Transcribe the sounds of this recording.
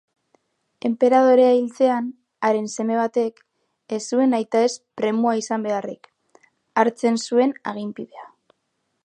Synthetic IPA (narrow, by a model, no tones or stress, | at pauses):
e̞mpe̞ɾað̞o̞ɾe̞ailt͡se̞an | aɾe̞nse̞me̞β̞at̪e̞k | esue̞najt̪ae̞spɾe̞muaisambe̞arik | aɾt͡se̞nsue̞na̰ɣ̞impiðe̞a